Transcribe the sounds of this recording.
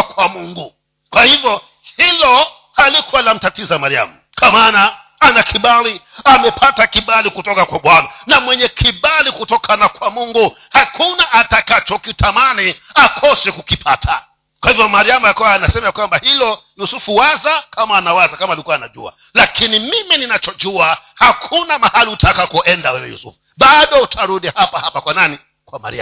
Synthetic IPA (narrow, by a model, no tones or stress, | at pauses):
kwamuŋɡu | kwahivjɔ | hilɔ | halikuwalam̩tatizamaɾia̰mu | kamaːna | anakʰiɓaliamɛpʰatakiɓalikutɔkakwaɓwananamwɛɲɛkʰiɓalikutɔkʰanakwamuŋɡuhakunaʔatakat͡ʃɔkitʰamaniakʰɔsɛkukipʰatʰa | kwahivjɔmaɾiamajakuwaanasɛmajakwambahilɔjusufuwazakamaːnawazakamaːlikuwaːnaʄṵa̰ | lakinimimininat͡ʃɔʄuahakʰunamahaliutakakɔʔɛndawɛwɛjṵsṵfu | ɓaɗɔutʰaɾuɗihapahapakwanani | kwama̰ɾḭa̰